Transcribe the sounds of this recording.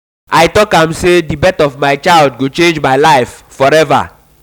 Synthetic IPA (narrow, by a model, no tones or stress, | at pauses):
ʔajtɔkãmsedibɛtɔvmaɪt͡ʃaɪldɡot͡ʃẽnd͡ʒmaɪlaɪffɔɾɛva̰